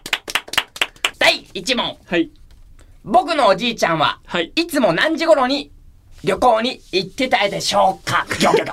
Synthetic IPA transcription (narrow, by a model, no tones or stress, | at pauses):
d̪̥aiit͡ɕimõ̞ŋ | bo̞kɯ̟no̞ːd͡ʑiːt͡ɕãɰ̃βa̰it͡sɨmo̞nãɲ̟d͡ʑiɡo̞ɾo̞ɲ̟i | ɾʲo̞ko̞ːɲ̟iːt̪ːet̪aid̪e̞ɕo̞ːkaɡʲoːkʲok